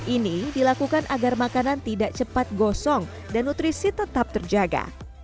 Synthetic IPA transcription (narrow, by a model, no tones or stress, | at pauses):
ʔinidilakukanʔaɡarmakanant̪idaʔt͡ʃəpat̪̚ɡɔsɔŋ | danːut̪ɾisit̪ət̪ap̚t̪ərd͡ʒaɡa̰